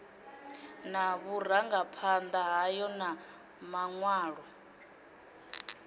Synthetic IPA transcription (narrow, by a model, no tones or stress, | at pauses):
naβur̤aŋɡapʰand̪aɦajɔna | maŋwaːɺɔ